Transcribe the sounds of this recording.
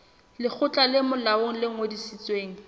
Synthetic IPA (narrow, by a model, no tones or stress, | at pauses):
lɪk͡xʰʊt͡ɬʼalɪmʊlaoŋ̩lɪŋ̩odisit͡sʼweːŋ̩